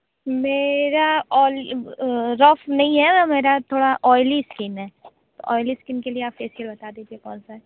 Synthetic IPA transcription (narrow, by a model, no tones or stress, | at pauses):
meːɾaɔːl | ɾɔːfnɐɦĩɦɛameːɾat̪ʰoːɽaʔɔːɪliskɪnɦɛː | t̪o̰ʔɔːɪliskɪnkelieaːpfeːsəlbɐt̪aːd̪eːd͡ʒiekɔːnsaɦɛ